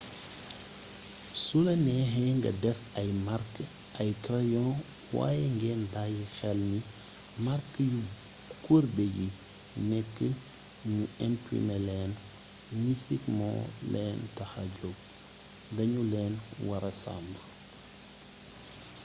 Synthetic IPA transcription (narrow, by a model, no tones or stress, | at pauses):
sulɐnɛːɦɛŋɡɐ̰dɛfɐjmaɾk | ɐjkɾajɔ̃ | wa̰ːjɛŋɡɛːndajixɛlni | maɾkəju | kuɾbɛji | nɛkːə | ɲuɛmpɾḭmɛlɛːn | nisikmɔ̰̃ːlɛːntɐxɐɟɔb̚ | dɐɲulɛːnwɐɾɐsa̰mb